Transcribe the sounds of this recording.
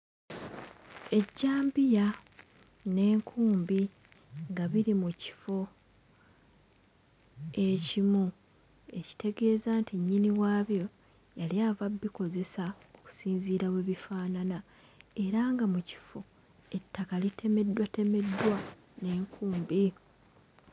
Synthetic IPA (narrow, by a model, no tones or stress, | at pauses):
e̞ɟːaːmbija | ne̞ːŋkʰuːmbi | ŋɡaβiɾimuci̥fo̞ | e̞cimu | e̞ci̥te̞ɡe̞ːzaːntiɲːiniwaːβjo̞ | jaliavabːiko̞ze̞sa | oku̥siːnziːɾawe̞βifaːnana | e̞ɾaŋɡamuci̥fo̞ | e̞tːakalitʰe̞me̞dːwate̞me̞dːwa | ne̞ːŋkʰuːmbi